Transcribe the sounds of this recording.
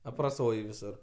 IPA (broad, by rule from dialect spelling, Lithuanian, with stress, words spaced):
ɐprɐˈsoːj ʋʲɪˈsʊr